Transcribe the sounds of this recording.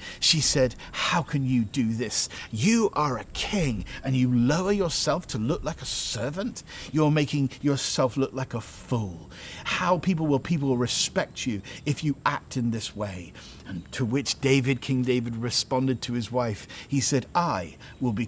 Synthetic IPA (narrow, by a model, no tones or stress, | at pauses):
ʃisɛd̥̚ | haʊkʰɨ̃njɨdɨðɪsjɨʔə˞ɨkʰɪ̃ŋɨ̃njɨloʊə˞jə˞sɛlˠftʰəlʊklaɪkəsɜ˞və̃ntjə˞meɪkɪ̃ŋjə˞sɛlˠflʊklaɪkəfulˠ | haʊpʰip̬l̩ˠwəlˠpʰipl̩ˠɹɨspɛk̚t͡ʃʉɨfjɨʔæk̚tɨ̃nðɪsweɪ | ɨ̃ntʰəwɪt͡ʃd̥eɪvɨd̚kʰɪ̃ŋdeɪvɨd̚ɹɨspɑ̃ndɨd̚tʰɨɨzwaɪfhisɛɾʔaɪ | wɪlˠbi